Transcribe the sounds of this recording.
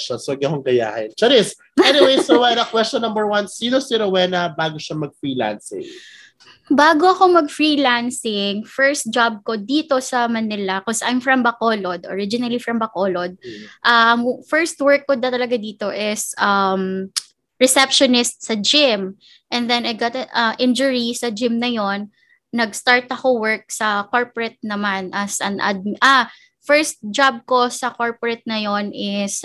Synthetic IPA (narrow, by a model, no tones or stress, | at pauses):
ʃɐsoɐɡɐkoŋɡɐja̰ːhɪnt͡ʃɐɾɪs | ɛnɪwejsɾɐwɛnɐkwɛst͡ʃɔ̃nːɐ̃mbɛɹwɐnsiːnosɪɾɐwɛnɐbaːɡoʃamɐɡ̚fɹiːla̰nsɪ̰̃ŋ | baːɡoɐkomɐɡ̚fɹilansɪŋfɛɹst̪̚d͡ʒab̚kod̪iːt̪o̞sɐmɐnɪlɐkɔsʔajmfɹɐmbɐkolod̪ʔɔ̰ɹɪd͡ʒɪnɐlifɹɐmbɐkoːlod̪̚ʔɐmfɛɹst̪̚wɛɹk̚ːʊd̪̚nɐt̪ɐlɐɡad̪iːt̪o̞ʔɪsʔɐm | ɹɛsɛpʃɔnɪst̪̚sɐd͡ʒɪm | ʔɛnd̪ɛnɐjɡat̪ɐʔɐʔɪ̃nd͡ʒʊɹisɐd͡ʒɪmnɐjo̞nː | ɐɡst̪aɹt̪ɐkowɛɹk̚sɐkoɹpɹɛt̪̚nɐmanʔɐsʔɐnʔa̰d̪̚mʔa | fɛɹst̪̚d͡ʒab̚ko̞sɐkoɹpɹɛt̪̚nɐjo̞nɪs